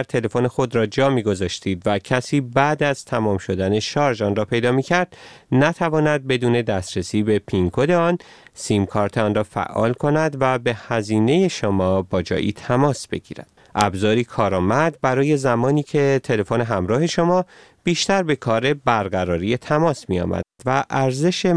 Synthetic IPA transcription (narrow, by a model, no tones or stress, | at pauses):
æɾt̪ʰe̞le̞fonexo̞d̪ɾɒːd͡ʒɒːmiːɡo̞zɒːʃt̪iːd̪væcʰæsiːbæd̪æz̥t̪ʰæmɒːmʃo̞d̪æne̞ʃɒːɾd͡ʒɒnrɒːpʰe̞jd̪ɒːmiːcʰæɾd̪̥næt̪ʰævɒːnæd̪̚be̞d̪uːne̞d̪æst̪ɾesiːbe̞pʰiŋkʰod̪eɒːnsiːmkʰɒːɾt̪ʰeɒnrɒːfæ̰ʔɒ̰ːlkʰo̞næd̪væbe̞hæziːne̞je̞ʃomɒːbɒːd͡ʒɒ̰ːʔḭt̪ʰæmɒːsb̥e̞̰ɡḭːɾæ̰d̪̥̚ | ʔæbzɒːɾiːkʰɒːɾɒːmæd̪̚bæɾɒːje̞zæmɒːniːcʰe̞t̪ʰe̞le̞fone̞ɦæmɾɒːɦe̞ʃomɒːb̥iːʃt̪æɾbe̞kʰɒːɾe̞bæɾɡæɾɒːɾije̞t̪ʰæmɒːsmijɒ̰ːmæ̰̥væʔæɾze̞ʃe